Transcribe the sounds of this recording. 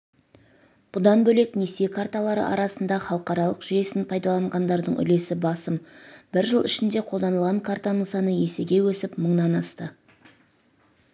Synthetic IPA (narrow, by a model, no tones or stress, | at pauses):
b̥ʊd̪ɑnbɵle̞kne̞se̞kʰart̪alˠɑɾə̰ʔɑ̰ɾɑsənd̪ɑχɑlˠəqɑɾɑlˠəqʒ̥ʏje̞sɪnpʰɑjd̪ɑlˠɑɴʁɑnd̪ɑɾd̪əɴʔʏ̰le̞sɪbɑsəmbɪɾʒəlˠɪ̰ʃɪnd̪e̞qʰolˠd̪ɑnəlˠʁɑŋkʰaɾt̪anəɴsɑnəje̞seɡʲe̞wɵsɪpməɴnɑnɑst̪ə